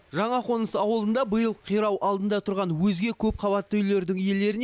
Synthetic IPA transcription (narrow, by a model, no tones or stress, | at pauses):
ʒɑɴɑqʰo̞nəsɑwəlˠənd̪ɑbəjəlˠqʰijɾɑwʔɑlˠd̪ənd̪ɑt̪ʰʊɾʁɑnwɵzɡʲe̞kʲʰɵp̚qʰɑβɑt̪ːəʏjle̞ɾd̪ɪŋje̞le̞ɾɪn